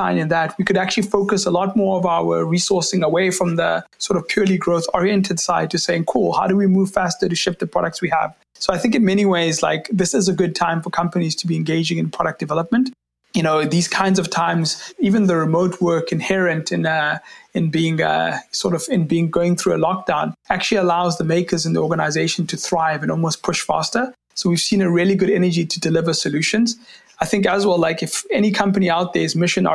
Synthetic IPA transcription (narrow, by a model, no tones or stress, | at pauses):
ãɪ̃nɨ̃nðæt̚ʰwikɨɾæk̚t͡ʃʉlifoʊkəsəlɔt̚mɔɹʌvaʊə̰ɹisɔɹsɪ̃ŋəweɪfɹʌ̃mðəsɔɾʌv̥pʰj̥ɔliɡɹoʊθɔɹiɛ̃ntʰɨd̥saɪd̚tʰɨseɪɪ̃ŋkʰulˠhaʊɾəwimuv̥fæstəɾɨʃɪp̚ðəpʰɹ̥ɔɾək̚tswiə̰v̥ | soʊaɪθɪ̃ŋkɨ̃nmɛñiweɪzla̰ɪkðɪsɨzəɡʊd̚tʰãɪ̃ɱfəkʰʌ̃mpəniz̥tʰəbiɨ̃nɡeɪd͡ʒɪ̃ŋɨ̃npʰɹ̥ɔɾək̚d̥ɨvɛləp̚mə̃nt | jɨnoʊðiz̥kʰãɪ̃ndzʌv̥tʰãɪ̃mzivɨ̃nðəɹɨmoʊtʰwɜ˞kɨ̃nhɛɹɨ̃ntʰɨ̃nʌɨ̃nbiɪ̃ŋʌ̰sɔɹɾʌvɪ̃nbiɪ̃ŋɡoʊɪ̃ŋθɹuəlɔk̚d̥ãʊ̃næk̚t͡ʃʉl̩ˠiəlaʊzðəmeɪkʰəzɨ̃nðḭɔɡənaɪzeɪʃə̃ntʰɨθɹaɪvɨ̃nɔlˠmoʊstpʰʊʃfæ̰stə˞ | soʊwiv̥sĩnəɹiəliɡʊɾɛnəd͡ʒitʰədɨlɪvə˞səljʉʃə̃nz | aɪθɪ̃ŋkəzwɛlaɪkɨfɛñikʰʌ̃mpəniaʊt̪̚ðəzmɪʃə̃nə̰